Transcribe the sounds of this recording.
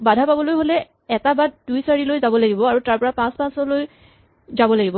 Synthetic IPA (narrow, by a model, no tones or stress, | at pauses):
badʱapabɔlojɦolɛ | ɛtabad̚dujsaɹilojzabɔlaɡibɔaɹutaɹpɔɹapãspãsɔloj | zabɔlaɡibɔ